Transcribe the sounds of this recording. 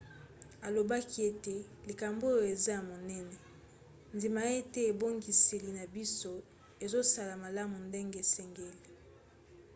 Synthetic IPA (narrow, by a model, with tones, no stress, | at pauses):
a˨lo˨ba˦ki˦e˦te˨li˨ka˨mbo˦o˦e˨za˦ja˨mo˨nɛ˦nɛ˨ | ndi˨ma˨e˦tɛ˦e˨bo˦ŋɡi˨se˨li˨na˨bi˦so˦ | e˨zo˦sa˦la˨ma˨la˦mu˨nde˦ŋɡe˨e˨sɛ˨ŋɡe˦li˨